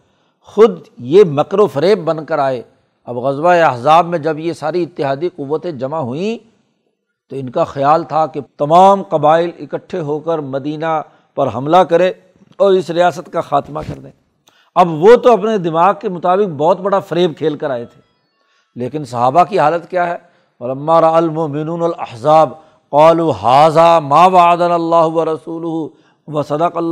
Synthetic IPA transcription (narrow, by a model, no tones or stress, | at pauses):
xʊd̪jemɐkɾofɐɾeːbːɐ̃nkəɾaːe | ɐbɣɐzwaeɐɦzaːbmẽd͡ʒɐbjesaːɾiɪt̪ːɪɦaːd̪iqʊʋːət̪ẽd͡ʒɐmaɦʊĩ | t̪oɪnkaxɪjaːlt̪ʰaket̪ɐmaːmqɐbaːɪlɪkəʈʰːeɦoːkəɾmɐd̪iːna | pɐɾɦɐ̰mlakɐɾẽ | ɔːɾɪsɾijaːsət̪kaxaːt̪makɐɾd̪ẽː | ɐbʋot̪oɐp̬ned̪ɪmaːɡ̚kemʊt̪aːbɪq̚bɔːt̪bɐɽafɐɾeːb̚kʰeːlkəɾaːet̪ʰe̥ː | leːkɪnsɐɦaːbakiɦaːlət̪kjaːɦɛː | ʋɐlɐmːaːɾɐalmʊmɪnuːnɐlɐ̰ħzaːb | qaːluːɦaːzaːmaːwaʕəd̪analːaːɦʊʋɐɾɐsuːlʊɦu | wɐsɐd̪əqɐlː